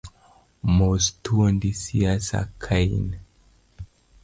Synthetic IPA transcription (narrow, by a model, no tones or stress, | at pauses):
mostuɔndisiasa̰kʰajn